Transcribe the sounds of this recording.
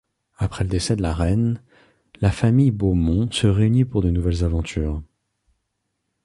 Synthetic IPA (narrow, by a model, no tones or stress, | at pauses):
apχɛləd̪esɛd̪əlaʁɛn | lafamijbomɔ̃səʁeynipuʁd̪ənuvɛlzavɑ̃t̪ʰyːʁ